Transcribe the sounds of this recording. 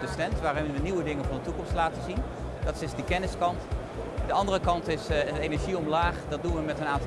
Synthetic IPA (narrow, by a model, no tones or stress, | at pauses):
dəstɛntʋaːɾɪnʋəniwədɪŋənvɑndətukɔmstlaːtəzin | dɔtsɪsdəkɛnɪskɑnt | dəɑndərəkɑntɪstejnɛɹʒiɔmlaːχdɑt̚dunʋəmɛtənaːnt